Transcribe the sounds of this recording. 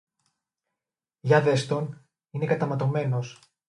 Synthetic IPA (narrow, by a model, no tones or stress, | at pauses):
ʝɐðe̞st̪o̞n | inekɐt̪ɐmɐt̪o̞me̞no̞s